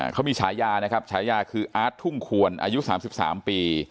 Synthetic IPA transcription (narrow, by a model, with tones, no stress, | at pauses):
kʰa˦˥miː˧t͡ɕʰaː˩˦jːaː˧na˦˥kʰa˦˥p̚t͡ɕʰaː˩˦˥jaː˧kʰɯː˧ʔaː˦˥t̪ʰːu˥˩ŋkʰu˧ənʔa̰ː˧ju˦˥ʔsaː˩˦msi˨˩p̚sa̰ː˩˦mpiː˧